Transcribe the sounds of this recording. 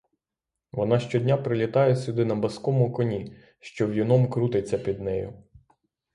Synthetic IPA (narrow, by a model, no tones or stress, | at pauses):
ʋɔnɑʃt͡ʃɔdʲnʲapɾɪlʲit̪ɑjɛsʲʊd̪ɪnɐbɐskɔmʊkɔnʲi | ʃt͡ʃɔwjinɔmkɾut̪et͡sʲːɐpʲid̪nɛjʊ̰